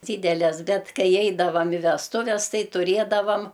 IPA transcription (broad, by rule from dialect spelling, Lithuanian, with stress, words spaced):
ˈdʲiːdʲɛlʲɛs ˈbʲɛt ˈkɐɪ ˈɛɪdɐʋɐm ɪ ʋʲɛsˈtʊʋʲɛs ˈtɐɪ tʊˈrʲeːdɐʋɐm